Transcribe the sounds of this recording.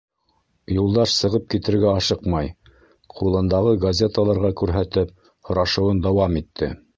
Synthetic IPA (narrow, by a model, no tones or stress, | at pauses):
julˠd̪ɑʃsɤ̆ʁɤp̚kit̪ɘ̆ɾɡæɑʃɤqmɑj | qʰulˠɤ̆nd̪ɑʁɤɡɐzʲet̪əlˠɑɾʁɑkʉɾɦæt̪ɘp̚ | hŏɾɑʃɤ̆wɤnd̪ɑwɑmit̪ʰːɘ̰